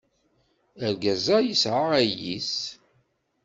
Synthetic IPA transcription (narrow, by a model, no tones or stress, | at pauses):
əɾɡæzæjisʕaʁæjḭs